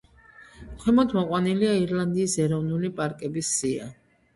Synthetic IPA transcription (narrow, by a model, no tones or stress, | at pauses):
kʰwɛmɔd̪ʰmɔqʼwaniliaiɾlˠand̪iːsɛɾɔvnulipʼaɾkʼɛbisːia̰